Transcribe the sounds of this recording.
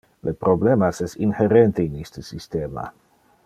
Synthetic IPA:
lepɾoblemasɛsinheɾent̪einist̪əsist̪ema̰

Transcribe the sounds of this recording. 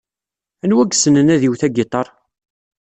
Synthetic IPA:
ænwæɡsənənæðiwθæɡet̪ˤɑɾˤ

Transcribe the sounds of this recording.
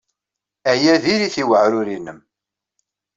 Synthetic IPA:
æjæðiɾiθiwəʕɾʊɾinːəm

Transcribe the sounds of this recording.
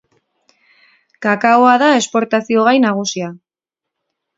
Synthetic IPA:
kakaoaðae̞spo̞ɾt̪asio̞ɣ̞ajnaɣ̞usia

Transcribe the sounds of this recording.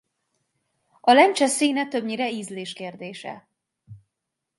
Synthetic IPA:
ɒlɛnt͡ʃɛsiːnɛt̪ø̞bɲiɾɛiːzleːʃkeːrd̪eːʃɛ̰

